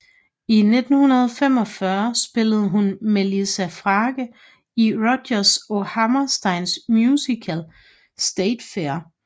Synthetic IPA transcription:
ine̝d̥n̩hunɐð̞ˠfem̰ɒ̽fɶɐsb̥e̝ləð̞̩ˠəɦunmelisæfʁɑːɡ̥ə | iʁɔ̥ɐso̝hæmɐsd̥ɑ̈ɪnsmjusikʰæl | sd̥eɪd̥feɐ

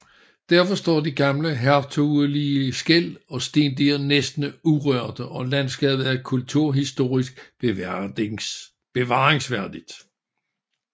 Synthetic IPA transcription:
d̥æɐ̰fɒ̽sd̥ɒ̰ːd̥iɡ̥ɑ̈mləɦæɐt͡sʰoðˠliəsɡ̥el̰ɒ̽sd̥e̝ːnd̥eɐnesd̥nəuʁœɐ̰d̥əʔɒ̽lænsɡ̥ɛ̰ːbð̩ˠæɐkʰult͡sʰuɐ̰ɦisd̥o̝̰ːʁisɡ̥ | b̥e̝ʋɑ̈ːeŋsʋæɐd̥id̥

